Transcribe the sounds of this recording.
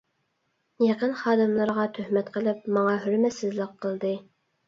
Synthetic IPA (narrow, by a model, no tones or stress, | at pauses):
jɑqənχɑːd̪ɨmlˠəɾʁɑt̪ʰøhmɛt̪qʰəlˠɪp̚mɑŋɑɦyɾmɛsɪzlɪqʰːəlˠd̪ɨ